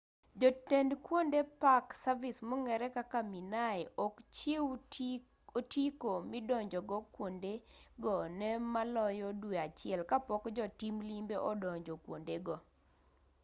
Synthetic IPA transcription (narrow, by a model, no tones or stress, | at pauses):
d͡ʒɔtɛndkwondepaksavismɔŋɛɾɛkakaminajɔkt͡ʃɪw | otikomɪdɔɲd͡ʒɔɡɔkwondeɡɔnɛmalɔjɔdweat͡ʃɪɛlkapɔkd͡ʒɔtimlimbeʔɔdɔɲd͡ʒɔkwondeɡɔ